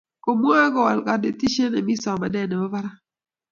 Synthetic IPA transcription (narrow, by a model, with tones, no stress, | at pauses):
ko˨mwa˦ɡɔ˦˨wa˨lka˨de˦ti˦ʃe˦na˨mi˦sɔ˨ma˨dɛ˦˨ne˨o˦va˦ɾa˦